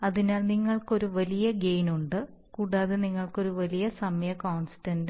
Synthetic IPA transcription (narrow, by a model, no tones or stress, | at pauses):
ɐðinaːlniŋːɐɭko̞ɾuʋɐlijɐɡe̞jnuɳɖɨ | kuːɽaːðeniŋːɐɭko̞ɾuʋɐlijɐsɐmjɐkoːɳsi̥tɐnd